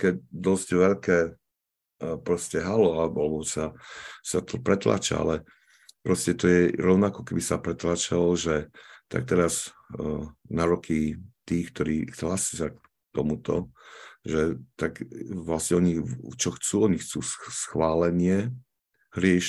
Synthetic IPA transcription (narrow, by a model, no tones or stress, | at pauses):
kɛcd̪ɔzɟʋɛʎkɛː | pɾɔscɛɦalɔabalɛbɔsasat̪pɾɛt̪la̰t͡ʃa̰a̰lɛ | pɾɔscɛt̪ɔjɛɾɔʊnakɔkɛbisapɾɛt̪lat͡ʃalɔʒɛt̪a̰k̚t̪ɛɾaz | naɾɔkʰit̪iːxk̚t̪ɔɾiːt͡sɛlasizak̚ | t̪ɔmut̪ɔʒɛt̪akʋlasɲɛɔɲit͡ʃɔxt͡suːɔɲixt͡suːssxʋaːlɛɲɪɛ | ɦɾɪɛʃ